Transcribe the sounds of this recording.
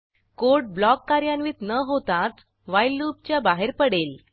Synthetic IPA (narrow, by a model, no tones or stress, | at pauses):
koɾʈ̚blɔkːaɾjanʋiːt̪nəɦot̪ãt̪ | ʋajlːup̚t͡ɕjabaɦeɾpəɽel